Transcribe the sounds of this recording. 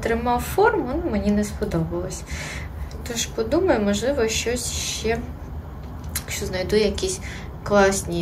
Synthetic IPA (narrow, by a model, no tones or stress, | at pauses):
t̪ɾɪmɑwfɔrmɔnmenʲinɛspɔd̪ɔbɪlˠɔsʲɐ | t̪ɔʃpɔd̪umɐjʊmɔʒlˠɪʋɔʃt͡ʃɔsʲʃt͡ʃɛ | ʃt͡ʃɔznɐjd̪ujɐkʲisʲ | klˠɑsʲnʲi